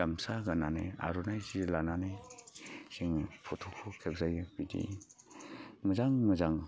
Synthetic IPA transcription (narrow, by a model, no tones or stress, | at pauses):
amsaɡanana̰ja̰ɾunajzilananaj | siŋpʰɔtʰukʰukʰeb̚zajbidḭ | mɯzaŋmɯzaŋ